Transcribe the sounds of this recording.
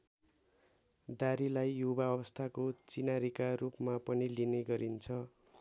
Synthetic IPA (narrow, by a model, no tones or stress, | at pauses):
d̪aɾilajːubaʌbʌst̪ʰakot͡sinaɾikarupmapʌnilineɡʌɾint͡sʰʌ